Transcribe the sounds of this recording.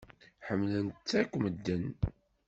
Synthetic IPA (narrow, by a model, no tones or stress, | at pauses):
ħəmːlənt̪t͡sːækʷːməd̪ːən